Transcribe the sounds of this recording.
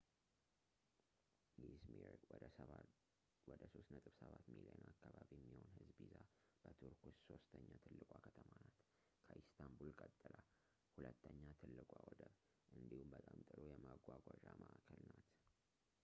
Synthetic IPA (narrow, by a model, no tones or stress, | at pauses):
ʔizmiɾ | wɔd̪əso̞st̪nət̪ʼɨbsəβat̪miliənakːaβaβijɛmːiho̞nhɨzbizab̥ət̪ʰuɾkʰusso̞st̪ʰəɲːat̪ʰɨlːɨkʼakʰət̪ʰəmanat̪ | kʰəʔist̪ʰambulkʼət̪ʼːɨlʔa | hulət̪ːəɲːat̪ʰɨlːɨkʼʷawɔd̪ə | ʔɨnd̪ihumbət̪ʼamt̪ʼɨɾojɛmaɡʷaɡʷaʒaməʔakʰːəlnat̪